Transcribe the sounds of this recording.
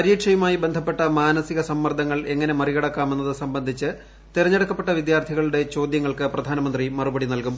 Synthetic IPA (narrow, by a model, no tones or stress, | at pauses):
pɐɾiːʈʂɐjɐmaːjibend̪ʱɐpːe̞ʈːɐmaːnɐsiɣɐsɐmːɐrd̪ʱɐŋːɐɭe̞ŋːɐne̞mɐriɣɐɽɐkːaːme̞nːɐðɨsɐmbɐnd̪ʱit͡ɕːɨ | t̪iɾɐɲːɐɽɐkːɐpːe̞ʈːɐʋid̪jaːrt̪ʰiɣɐɭuɽe̞t͡ɕo̞ːd̪jɐŋːɐɭkɨprɐd̪ʱaːnɐmɐnd̪rimɐrubɐɽinɐlkum